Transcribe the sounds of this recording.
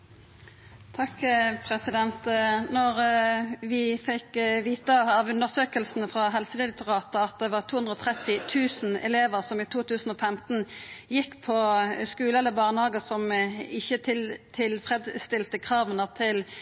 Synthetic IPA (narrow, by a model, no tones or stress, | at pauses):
t̪ʰɑkpʰʁɛsɪd̪ɛnt̪nɔʁʋɪfɪkʋiːt̪əɑʋʉnəʁsøːkəlsn̩fʁɑɦɛlsəd̪ɪlɪk̚t̪ʊʁɑːt̪əɑt̪̚d̪ɛʋɑːʁtʰuːʉnʁɔːt̪ʰʁɛt̪ːɪt̪ʰʉːsn̩ɛ̰leːʋəʁsɔmiːt̪ʰuːt̪ʰʉːsn̩ɔfɛmt̪n̩jɪkːpʰɔskʉːləɛlːəbɑːʁnhɑːɡəsɔmɪçːət̪ʰɪlt̪ʰɪlfʁɛd̪st̪ɪlt̪əkʰʁɑːʋənəʁt̪ʰɪl